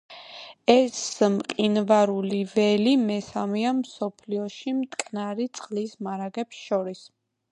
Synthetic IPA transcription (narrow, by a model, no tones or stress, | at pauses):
ɛsmqʼinvaɾulivɛlimɛsamiamsɔpʰliɔʃimt̪ʼkʼnaɾit̪sʼχʼlismaɾaɡɛpsʃɔɾis